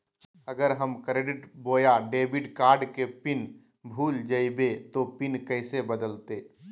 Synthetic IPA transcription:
əɡəɾɦəmkɾeɖɪʈboːjaɖeːbɪɖkaːɾɖkepɪn | bʱuːld͡ʒəibet̪opɪnkəɪsebəd̪əlt̪eː

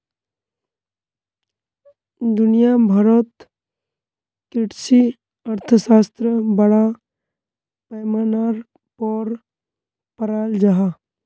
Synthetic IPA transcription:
d̪ʊnijabʱaɾət̪ | kɪʈsi | ɐɾt̪ʰəsaːst̪ɾəbɐɽa | pɛːmanaɾ | pɔːɾ | pəɾaːld͡ʒaɦa

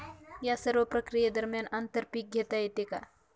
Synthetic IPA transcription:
jasəɾʋəpɾɐkɾijad̪əɾmjanant̪əɾpik̚ɡʱjet̪aet̪eka

